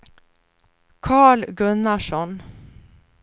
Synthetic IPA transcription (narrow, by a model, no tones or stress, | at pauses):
kʰɑːɭɡɵnːaʂɔn